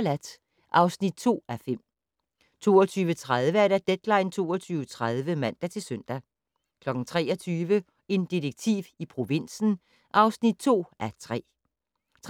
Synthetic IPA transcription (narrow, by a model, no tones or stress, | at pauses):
læd̥ | ʔɑ̈ʊsnid̥̚t͡sʰo̝̰ːæfem̰ | t͡sʰo̝̰ːɒt͡sʰyːʋət͡sʰʁaðˠʋəæɐɾæd̥ed̥lɑ̈ɪnt͡sʰo̝̰ːɒt͡sʰyːʊət͡sʰʁað̞ˠʋəmæn̰d̥æt͡sʰe̝lsøn̰d̥æ | kʰlɒ̽ɡ̥ŋ̩t͡sʰʁɛ̰ːɒt͡sʰyːʋə | e̝nd̥ideɡ̥̚t͡sʰḭːʋipʰʁo̝ʋe̝n̰sn̩ | ʔɑ̈ʊsnid̥̚t͡sʰo̝̰ːæt͡sʰʁɛ̰ː | t͡sʰ